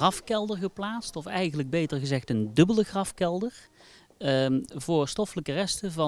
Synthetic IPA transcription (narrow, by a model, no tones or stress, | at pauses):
rɑfkɛlˠdəɹɣəplaːtstɔfɛjχənləɡ̚bejtəɹɣəzɛχtəndɵbələχrɑfkɛlˠdəɹ | vʊːɹstɔfələkərɛstəvɑ